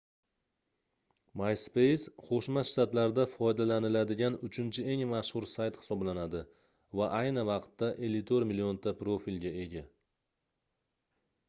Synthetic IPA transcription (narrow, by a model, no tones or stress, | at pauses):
majspe̞jsqʰoʃmaʃt̪at̪laɾd̪afɒjd̪alanɪlad̪ɪɡʲanʊt͡ʃʰɪnt͡ʃʰɪe̞ŋmaʃhʊɾsajt̪hɪ̥sɒblanad̪ɪ | vaʔajnɪvɑqt̪ːaʔe̞lːɪt̪ʰoɾmɪlio̞nt̪ʰapɾofilɡʲae̞ɡʲa